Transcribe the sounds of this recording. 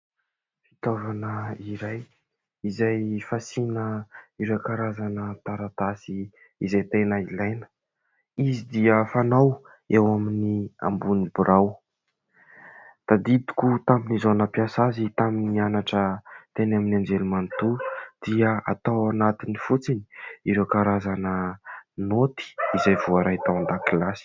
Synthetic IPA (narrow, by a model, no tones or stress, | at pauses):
fi̥t̪ovanəiɾaj | izajfasinəiɾajkaɾazanət̪aɾat̪asi | izajt̪enəilajnə̥ | izid̪iəfanaw | ewaminia̰mbunibuɾʔaw | d̪̥ad̪id̪i̥kut̪aminizonəpjasazit̪aminianaʈ͡ʂət̪enaminand͡ʒelimant̪ud̪̥iəa̰t̪awanat̪inifut͡sini̥iɾewkaɾazanənot̪i̥izajvuaɾajt̪awand̪akilasi̥